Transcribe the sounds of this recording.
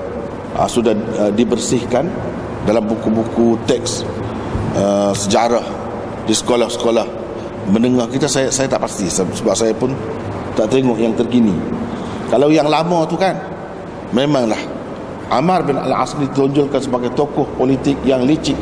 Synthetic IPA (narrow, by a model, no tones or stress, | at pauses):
ʔə̰sudahədibərsɪhkan | dalambukubukut̪ɛks | əsəd͡ʒaɾah | disə̥kolahsə̥kolah | mənəŋahkit̪asasajat̪aʔpast̪isəsəbap̚sajapʊn | t̪aʔt̪eŋɔʔjaŋt̪ərkini | kalawjaŋlamɔt̪ukan | memãŋlah | ʔamarbɪna̰laʔa̰sɾit̪ɔɲd͡ʒɔlkansəbaɡajt̪okɔhpolit̪ɪk̚jaŋlit͡ʃɪʔ